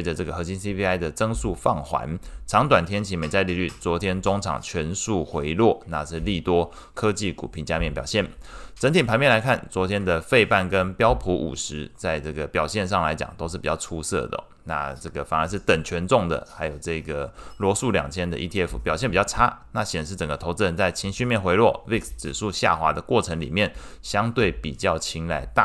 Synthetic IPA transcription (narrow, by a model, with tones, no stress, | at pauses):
e˥ʈ͡ʂə˨˧ʈ͡ʂɤ˥˩ɡə˩xɤ˧˥ɕi˥nsi˥pʰi˥a˥ɪd̪ə˨t͡sɤ˥ŋsu˥˧fɑ˥˩ŋxwa̰˧˥nʈ͡ʂʰɑ˧˥ŋt̪̬wa˨˩nt̪ʰjɛ˥nt͡ɕʰi˧˥me˧˥ɪt͡sa˥˧ɪli˥˨˩ly˥˩t͡swɔ˧˥t̪ʰjɛ˥nt͡sʊ˥ŋʈ͡ʂʰɑ̰˨˩ŋt͡ɕʰɥɛ˧˥nsu˥˩xwe˧˥ɪlwɔ˥˩na˥˧ʂɻ̩˥˧li˥˩t̪wɔ˥ | kʰɤ˥t͡ɕi˥˩kṵ˨˩pʰi˧˥nt͡ɕja˥˧mjɛ˥˩npjɑ˨˩ʊɕjɛ˥˩nʈ͡ʂə˧˥nt̪ʰi˨˩ŋpʰa˧˥nmpjɛ˥˩nla˧˥ɪkʰa˥˩nt͡swɔ˧˥t̪ʰjɛ˥nd̪ə˨fe˥˧ɪpa˥˩nkə˦˥npjɑ˥ʊpʰu˧˥ʔṵ˨˩ʂɻ̩˧˥t͡sa˥˧ɪʈ͡ʂɤ˥˩ɡə˩pjɑ˨˩ʊɕjɛ˥˧nʂ̬ɑ˥˩ŋla˧˥ɪt͡ɕjɑ̰˨˩ŋt̪o˥ʊʂɻ̩˥˩pi˨t͡ɕjɑ˥˩ʊʈ͡ʂʰu˥sɤ̰˥˩d̪ə̰˩ | na̰˥˧ʈ͡ʂɤ˥˩ɡə˩fa˨˩nə˧˥ʂ̬ɻ̩˥˩t̪ə˨˩ŋt͡ɕʰɥɛ˧˥nʈ͡ʂʊ˥˩ŋd̪ə̰˩xa˧˥ɪjo˨˩ʊʈ͡ʂɤ˥˩˧ɡə˩lwɔ˧˥su˥˩ljɑ̰˨˩ŋt̪ʰjɛ˥nd̪ə̰˨ʔḭ˥t̪ʰi˥˧ɛ˥˩fu˨˩pjɑ˨˩ɕjɛ˥˩pi˨˩t͡ɕjɑ˥˩ʊʈ͡ʂʰa˥na˥˩ɕjɛ˨˩nʂɻ̩˥˩ʈ͡ʂə˨˩ŋɡə˦t̪ʰo˧˥ʊt͡sə˥˧nt͡sa˥˩ɪt͡ɕʰi˧˥ŋɕy˥˧mjɛ˥˨nxwe˧˥ɪlwɔ˥˩wi˥˧ksʈ͡ʂɻ̩˨˩ʂu˥˧ɕja̰˥˩xwa˧˥d̪ə˧kwɔ˥˩ʈ͡ʂʰə˧˥ŋlḭ˨˩mjɛ˥˩nɕjɑ˥ŋt̪we˥˩ɪpḭ˨˩t͡ɕjɑ˥˩ʊt͡ɕʰi˧˥ŋla̰˧˥ɪt̪a˥˨